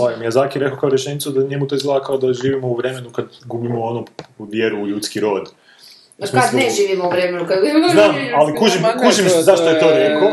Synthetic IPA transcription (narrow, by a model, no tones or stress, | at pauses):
ajimjaːzaːkiɾe̞kokaoɾjeʃenit̪sud̪aɲemut̪oizlˠaːkaʋad̪aʒiːʋimouʋɾe̞me̞nukad̪ɡuːbimoonouʋjeɾuːʎuːt̪skiɾoːd̪ | ad̪neʒiːʋimouʋɾemenukad̪ɡznaːmalikuʒimkuʒimszaʃt̪ojet̪o̞ːɾeko